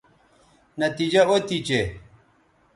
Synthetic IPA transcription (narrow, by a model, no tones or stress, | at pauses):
nɐt̪id͡ʑɐot̪it͡ɕe